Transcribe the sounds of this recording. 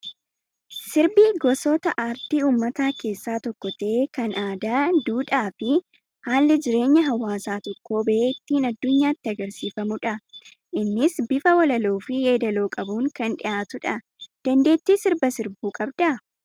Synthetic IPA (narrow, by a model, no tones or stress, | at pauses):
sɪɾbiːɡɔsɔt̪ɐʔaːɾt̪iːuːmːɐt̪aːkʰe̞ːsːaːt̪ɔkːɔt̪ɐeːkɐnʔaːd̪aːd̪uːᶑaːfɪ | haːlːɪd͡ʒɪɾe̞ːɲːɐɦɐwːaːsaːt̪ɔkːo̞ːbɐʔeːt̪ːiːnɐd̪ːʊɲːaːɪt̪ːɪɐɡɐɾsiːfɐmʊᶑɐ | ʔɪnːɪsbɪfɐwɐlɐloːfɪjeːd̪ɐloːkʼɐbuːŋkɐnᶑɪʔaːt̪ʊᶑɐ | d̪̥ɐnd̪e̞ːt̪ːiːsɪɾbɐsɪɾbuːkʼɐbd̪̥ɐ